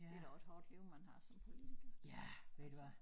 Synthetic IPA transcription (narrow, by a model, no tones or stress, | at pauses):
e̝dæʊed̥ɦɔ̰ːd̥liʊmænɦɑ̈sɒ̽mpʰo̝liiɡ̥ɐjæʋed̥uʋɑ